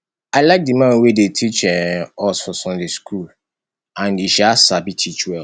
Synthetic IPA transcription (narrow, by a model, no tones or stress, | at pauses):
alaɪk̚dimãnwedetʰit͡ʃɛ̃ɔsɔsɔ̃ndeskʰul | ãniʃasabitʰit͡ʃwɛ